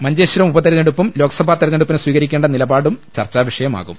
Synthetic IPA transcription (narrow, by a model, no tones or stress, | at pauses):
mɐɲd͡ʑeːɕuɾɐmubɐt̪eɾneɽupːumlo̞ːkɐsɐbʱaːt̪eɾneɽupːinswiːɣɐɾikʲːeɳɖɐnilɐbaːɽumt͡ɕɐ̰rt͡ɕːaːʋiʂɐjɐma̰ːɣum